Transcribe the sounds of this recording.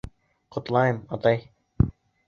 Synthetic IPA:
qʰŏt̪lˠɑjɤmɑt̪ɑj

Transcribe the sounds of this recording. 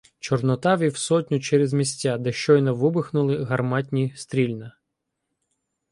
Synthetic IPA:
t͡ʃɔrnɔt̪ɑʋʲiwsɔtʲnʲʊt͡ʃɛɾezmʲisʲtʲːad̪ɛʃt͡ʃɔjnɐʋɪbɪxnʊlˠɪɦɐrmɑtʲnʲist̪ɾʲilʲnɐ

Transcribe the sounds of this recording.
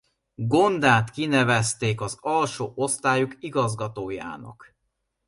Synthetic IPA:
ɡo̞nd̪aːt̪kinɛvɛst̪eːkɒzɒlʃoːʔo̞st̪aːjukiɡɒzɡɒt̪oːja̰ːnɒ̰k

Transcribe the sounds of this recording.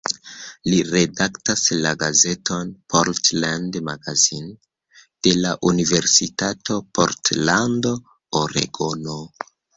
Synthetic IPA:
liɾe̞daktaslaɡaze̞tʰo̞npʰoɾtlandmaɡazin | d̥e̞laʔunive̞ɾsitato̞po̞̰ɾtlando̞ | oɾḛɡono

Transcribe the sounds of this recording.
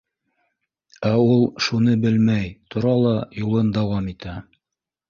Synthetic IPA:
æulˠʃunɤbɘlmæjt̪ʰŏɾɑlˠɑjulˠɤnd̪ɑwɑmit̪æ

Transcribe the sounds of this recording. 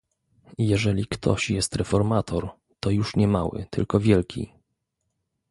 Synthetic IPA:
jɛʐɛlʲikt̪ʰɔ̰ɕjɛst̪ɾɛfɔɾmat̪ʰɔɾ | t̪ɔjuʂɲɛmawɘ̰t̪ʰɘ̰lkɔvʲjɛlkʲʰḭ

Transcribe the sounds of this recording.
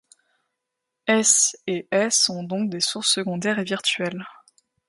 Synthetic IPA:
ɛseʔɛsɔ̃d̪ɔ̃k̚d̪esuʁsːəɡɔ̃d̪ɛʁeviʁt̪ɥɛl

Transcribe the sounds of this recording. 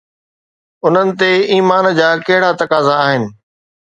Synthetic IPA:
ʊn̤ənɪ̆t̪eiːmaːnd͡ʑaːkɐɦɪɽat̪ɐkaːzaːɦɪnɪ̆

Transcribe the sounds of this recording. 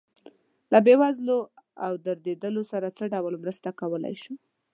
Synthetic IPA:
labewazloawd̪əɾd̪ed̪əlosaɾat͡səɖawəlmɾəst̪akawəla̰jʃu

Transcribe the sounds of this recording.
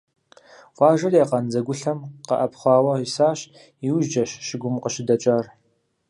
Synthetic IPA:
wʷɑːʒɐrjaqɐnd͡zɐɡʷʊɬɐmqɐ̰ʔɐpχʷɑːwɐisaːɕ | iwʒd͡ʒɐʃʃɪɡʷʊmqəɕɪdɐt͡ʃʼaːr

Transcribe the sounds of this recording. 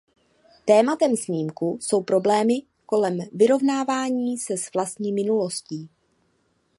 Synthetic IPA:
t̪ɛːmat̪ɛmsɲiːmkuso̞wpɾo̞blɛːmɪ | ko̞lɛmvɪɾo̞vnaːvaːɲiːsɛsvlast̪ɲiːmɪnulo̞sciː

